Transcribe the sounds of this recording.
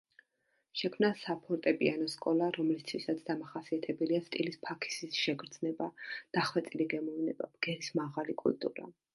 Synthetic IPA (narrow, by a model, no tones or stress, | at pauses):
ʃɛkʰmnasapʰɔɾt̪ʼɛpʼianɔskʼɔlˠaɾɔmlist̪ʰwisat̪sʰd̪amaχasiat̪ʰɛbɛliast̪ʼilispʰakʰi̥sisʃɛɡɾd̪znɛbad̪̥aχwɛt̪sʼiliɡɛmɔvnɛba̰ɡ̥ɛɾismaʁalikʼṵlt̪ʼṵɾa̰